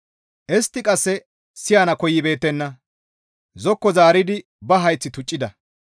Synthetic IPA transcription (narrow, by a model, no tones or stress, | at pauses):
ʔɛst̪ːɪkʼɐsːɛ | sɪjaːnɐkɔjːɪbe̞ːt̪ːɛnːɐ | zɔkːɔzaːɾɪd̪ɪ | bɐɦɐjt͡sːɪt̪ʊt͡ʃʼːɪd̪ɐ